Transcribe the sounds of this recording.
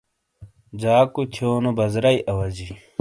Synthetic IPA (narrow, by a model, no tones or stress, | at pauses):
d͡ʑaːkut̪ʰjoːnobɐzɾɐiʔɐwɐd͡ʑi